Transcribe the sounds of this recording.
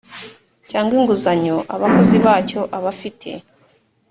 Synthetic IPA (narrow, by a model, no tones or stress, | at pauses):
caːŋɡwiːŋɡuzaɲoʔaβako̞ziβaːco̞ʔaβafitʰe̞̰